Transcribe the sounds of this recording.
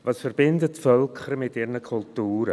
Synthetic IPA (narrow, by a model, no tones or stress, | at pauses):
vasfərbɪndətfœlˠkʰərmɪtɪrnəkʰʊlˠtuːɾə